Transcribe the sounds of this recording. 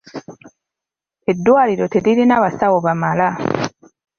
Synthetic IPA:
edːwaːliɾo̞teɾiɾinaβasawoβamala

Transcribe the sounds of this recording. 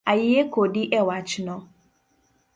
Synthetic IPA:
ajɪekodɪʔɛwat͡ʃɪnɔ̃

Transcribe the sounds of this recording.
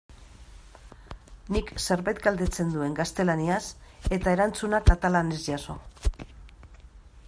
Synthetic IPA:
nikse̞ɾβajt̪ɡald̪e̞t͡se̞nd̪ue̞ŋɡast̪e̞laniase̞t̪ae̞ɾant͡sunakat̪alane̞zʝaso̞

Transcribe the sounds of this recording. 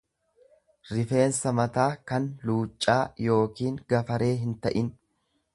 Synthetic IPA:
ɾɪfe̞ːnsɐmɐt̪aːkɐnluːt͡ʃʼːaːjo̞ːkiːŋɡɐfɐɾe̞ːɦɪnt̪ɐʔɪn

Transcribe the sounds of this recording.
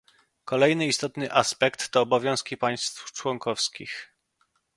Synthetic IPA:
kɔlɛjnɘist̪ɔt̪nɘʔaspɛkt̪ːɔːbɔvʲjɔ̃w̃skʲipaj̃st̪ft͡ʂwɔŋkɔfskʲix

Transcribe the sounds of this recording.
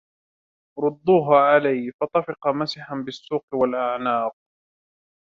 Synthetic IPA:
ɾˤʊd̪ˤːuːɦaːʕalajfɑt̪ˤɑfɪqɑmasɪħanbɪsːuːqwalʔaʕnaːq̚

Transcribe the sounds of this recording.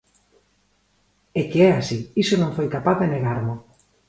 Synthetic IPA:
ekeɛasiisonõŋfojkapaððeneɣ̞aɾmo

